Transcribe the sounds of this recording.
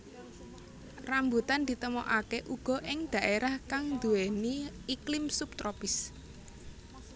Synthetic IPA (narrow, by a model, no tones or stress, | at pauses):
rambut̪and̪̥i̤t̪əmɔʔakeʔuɡ̥ɔ̤ʔɪŋd̪̥ä̤ʔeɾahkaŋd̪ueniːklɪmsup̚t̪ɾɔpɪs